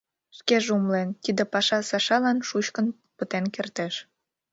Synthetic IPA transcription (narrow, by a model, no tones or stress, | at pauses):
ʃkeʒumlent̪id̪epɑʃɑsɑʃɑlɑnʃut͡ɕkən | pət̪enkert̪eʃ